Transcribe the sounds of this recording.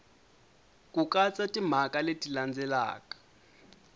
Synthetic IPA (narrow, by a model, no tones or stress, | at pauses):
kʼuk̬ʼat͡sʼatʼim̤akʼaletʼiland͡zʱɛla̰ːkḁ